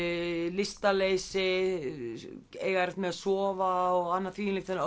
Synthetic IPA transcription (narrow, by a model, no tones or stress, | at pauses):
lɪst̪aleːjsɪ | ḛːjɣaɾɪt̪mɛðasɔːvaɔɣanːaθiːnlɪkt̪ʰɪn